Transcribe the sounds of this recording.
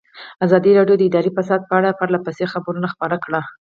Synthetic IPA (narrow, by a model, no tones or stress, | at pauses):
azɑd̪iɾɑɖjod̪əɪd̪ɑɾifasɑd̪̚pəaɽapaɾlapajsexabɾunaxpaɾakɽa